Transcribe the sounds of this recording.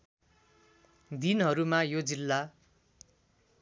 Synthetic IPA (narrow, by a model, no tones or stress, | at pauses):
d̪inɦʌɾumajod͡zilːa